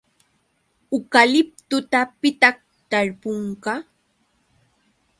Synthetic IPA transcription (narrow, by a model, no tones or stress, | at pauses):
ʊkalɪp̚t̪ʊt̪apɪt̪aχ | t̪aɾpʊŋkɑ